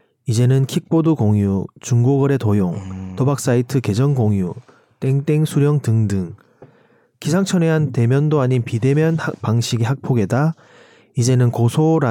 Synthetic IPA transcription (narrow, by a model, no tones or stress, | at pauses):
id͡ʑe̞nɯnkʰik̚p͈odukoŋjut͡ɕuŋɡoɡʌɾe̞tojoŋtʌbak̚s͈aitʰɯke̞d͡ʑʌnɡoŋju | t͈e̞ŋt͈e̞ŋsʰuɾjʌŋtɯŋdɯŋ | kisʰaŋt͡ɕʰʌneɦante̞mjʌndoaɲinpide̞mjʌnhak̚paŋɕʰiɡeɦak̚pʰoɡe̞da | id͡ʑe̞nɯnkosʰoɾa